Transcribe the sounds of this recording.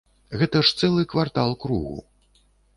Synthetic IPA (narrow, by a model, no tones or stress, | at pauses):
ɣɛt̪ɐʂt̪sɛlˠɨkvart̪alˠkɾṵɣṵ